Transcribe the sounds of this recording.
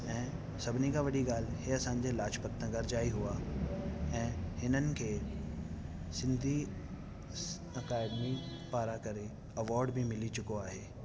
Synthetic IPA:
ɛ̃ː | sɐbʱnikaʋɐɗiɡaːlɦeɐsãːɲd͡ʑelaːʃpət̪nə̃ɡɐɾd͡ʑaːiɦua | ɛ̃ːhɪnənɪ̆kʰeː | sɪ̃nd̪ʱi | ɐkaːɖmi | paːɾakɐɾe | ɐʋɔːɾɖbʱimɪlit͡ɕʊkoaːɦeː

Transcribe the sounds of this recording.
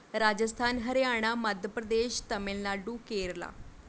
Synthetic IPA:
ɾaːd͡ʒəst̪ʰaːnɦəɾejaːɽ̃aːməd̪ʱjəpɾəd̪eːʃt̪əmɪlnaːɖũːkeːɾla̰ː

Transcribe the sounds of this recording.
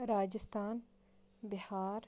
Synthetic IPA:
ɾaːd͡ʒɪst̪aːn | bɪhaːɾ

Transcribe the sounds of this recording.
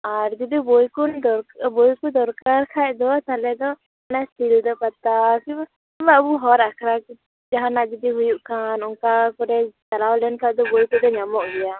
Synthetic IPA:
aɾd͡ʒid̪ibɔjkund̪ɔɾbɔjkud̪ɔɾkaɾkʰajd̪ɔt̪alɛd̪ɔ | anasʈild̪ɔpat̪akiba | ibabuɦɔɾakʰɾaki | d͡ʒaɦanaʔd͡ʒid̪iɦujuʔkanunkakɔɾɛt͡ʃalawlɛnkʰaʔd̪ɔbɔjkud̪ɔɲamɔʔɡ̪ɛja

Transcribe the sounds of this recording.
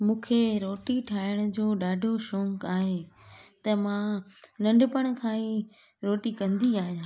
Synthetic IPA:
mũːkʰeɾoːʈiʈʰaːɪɽ̃ʊ̆d͡ʑoːɗaːɖʱoʃɔ̃ːŋkaːɦet̪ɐmãnɐ̃ɳɖʊpəɽ̃kʰãːĩ | ɾoːʈikɐ̃nd̪iaːɦijãː

